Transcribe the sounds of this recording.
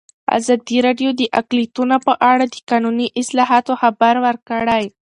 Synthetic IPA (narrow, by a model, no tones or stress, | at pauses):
a̰zɑd̪iɾɑɖjod̪əʔaklit̪unopəʔaɽad̪əkɑnuniʔɪslɑɦɑt̪oxabaɾwəɾkəɽaj